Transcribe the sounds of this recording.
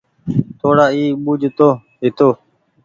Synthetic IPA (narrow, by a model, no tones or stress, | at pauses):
t̪ʰoːɽaːiːɓuːd͡ʒʱt̪oː | ɦɪt̪oː